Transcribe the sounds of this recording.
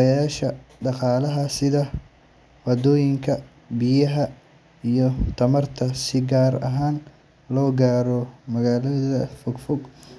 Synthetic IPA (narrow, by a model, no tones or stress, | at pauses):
jjaːʃɐ | ɖɑqɑːlɐɦɐsɪðɐ | wɑd̪ɔːjɪŋkʰɐ | bijɐɦɐ | ijɔt̪ʰɐmɐrt̪ʰɐsɪɡaːɾɐ̰ɦaːn | lɔːɡaːɾɔmɐɣaːlɐðɐfɔɡfɔɡ